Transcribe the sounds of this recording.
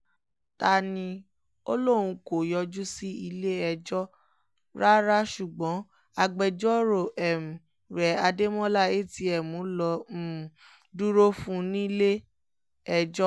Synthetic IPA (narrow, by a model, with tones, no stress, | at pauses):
ta˧nĩ˧ | o̰˦lo˦˨w̃ũ˧ko˨jɔ˧d͡ʒu˦si˦i˧le˦ɛ˧d͡ʒɔ˦ | ɾa˦ɾa˦ʃu˨ɡ͡bɔ̃˨˦ | a˧ɡ͡bɛ˧d͡ʒɔ˦ɾo˦˨ʔɛ˨m˨ | ɾɛ˨a˧de˦mɔ̃˦la˦˨e˦˨ti˧˦ɛ˨mũ˨˦lɔ˧˨ | du˦ɾo˦fũ˦nĩ˦le˦ | ɛ˧d͡ʒɔ˦